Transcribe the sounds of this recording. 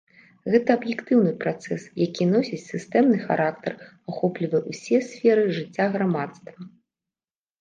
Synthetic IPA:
ɣɛt̪ɐɐbjɛkt̪ɨwnɨpɾat̪sɛsjakʲinɔsʲit͡sʲsʲɨst̪ɛmnɨxa̰ɾʔakt̪ɐr | axɔplʲivɐjɛwsʲɛsʲfʲɛɾɨʐɨt͡sʲːaɣɾamat̪st̪vɐ

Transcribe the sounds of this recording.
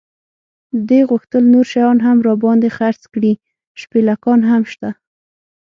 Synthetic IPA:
əd̪eɣʊxt̪əlnoɾʃajɑnɦamɾɑbɑnd̪exaɾt͡skɽi | ʃpelakɑnɦamʃt̪a

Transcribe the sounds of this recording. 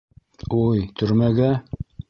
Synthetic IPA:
ujt̪ʰɵ̆ɾmæɡæ

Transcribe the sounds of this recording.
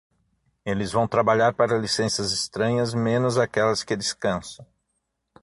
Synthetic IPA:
elɪzvɐ̃w̃t̪ɾabaʎaɾpaɾɐlisẽsɐzɪst̪ɾɐ̃ɲɐzmẽnʊzakɛlɐskɪd̪ɪskɐ̃sɐ̃w̃

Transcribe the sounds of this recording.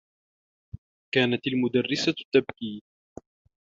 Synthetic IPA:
kaːnat̪almʊd̪arːɪsat̪ːab̚kiːn

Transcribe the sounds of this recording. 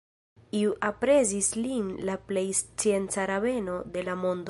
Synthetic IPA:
iuʔapɾe̞zislinlaple̞jst͡sie̞nt͡saɾave̞no̞de̞lamo̞nd

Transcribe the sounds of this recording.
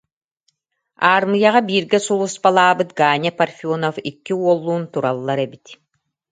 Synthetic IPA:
aːɾmɯjaʁabiːɾɡɛsulˠusbalˠaːbɯt̪ɡaːɲʲɛparfʲiɔnɔfikːiuɔlˠːuːnt̪uɾalˠːaɾɛbit̪

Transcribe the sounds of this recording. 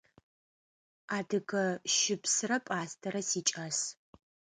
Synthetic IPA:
aːdɨɡɐʃɪpsɨrɐpʼaːstʰɐɾɐsiːt͡ʃʼas

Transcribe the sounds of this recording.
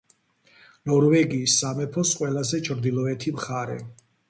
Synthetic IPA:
nɔɾvɛɡiːsːamɛpʰɔsqʼwɛlazɛt͡ʃʰɾd̪ilɔɛt̪ʰimχaɾɛ̰

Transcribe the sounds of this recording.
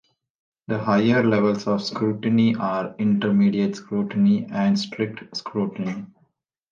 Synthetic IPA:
d̪əhaɪəɾleʋəlsɔʋskɾuːʈəniʔaːɾɪ̃ɳʈəɾmiːɖiəʈskɾuːʈəniɛ̃ɳɖsʈɾɪk̚ʈskɾuːʈəni

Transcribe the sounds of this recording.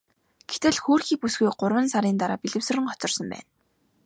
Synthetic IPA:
ɡ̥et̪ɘ̆ɮxuːrxiːpusɡujɢʊrwə̆nsaɾiːnt̪aɾaːpiɮɘ̆wsɵ̆rɘ̆ŋɔt͡sɞ̆rsɞ̆mpæ̰ːn

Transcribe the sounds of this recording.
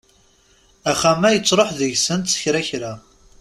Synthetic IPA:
æχæmæjət͡sːɾˤoħðəʝsənt̪sə̥çɾæçɾa

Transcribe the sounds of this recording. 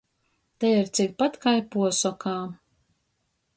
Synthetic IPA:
t̪ɛiɾt̪sik̚pat̪kajpuɔsɔkʰaː

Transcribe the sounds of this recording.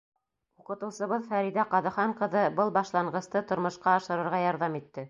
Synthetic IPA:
uqɤ̆t̪ɤ̆wsɤ̆βɤðfæɾiðæqɑðɤ̆χɑɴqɤ̆ðɤbɤlˠbɑʃlˠɑɴɢɤ̆st̪ɤt̪ŏɾmɤ̆ʃqɑɑʃɤ̆ɾɤ̆ɾʁɑjɑɾðɑmit̪ːɘ

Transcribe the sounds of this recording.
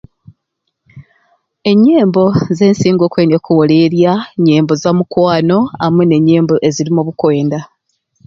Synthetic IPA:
e̞ɲːe̞ːmbo̞ze̞ːnsiːŋɡo̞ːkweːnokuwole̞ɾjaɲe̞ːmbozamukwaːno̞amwene̞ɲːe̞ːmboʔe̞ziɾimuβukwe̞ːnda

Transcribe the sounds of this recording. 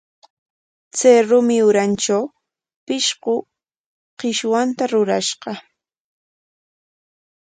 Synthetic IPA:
t͡sajɾʊmɪʊɾanʈ͡ʂaw | pɪʃɢʊ | qɪʃwant̪aɾʊɾaʃɢɑ

